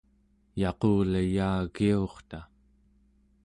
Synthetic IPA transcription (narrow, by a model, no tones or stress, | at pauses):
jɑqoːlajaːɣioχt̪a